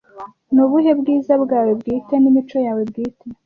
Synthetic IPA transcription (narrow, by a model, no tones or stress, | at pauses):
nuβuɦe̞bɡiːzabɡaːwe̞bɡiːtenimit͡ʃo̞jaːwe̞bɡiːtʰe